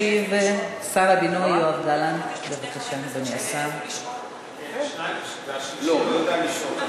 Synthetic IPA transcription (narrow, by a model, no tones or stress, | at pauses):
iv | saʁabinojoavd̪alanbevakaʃanid̪oniasam | lo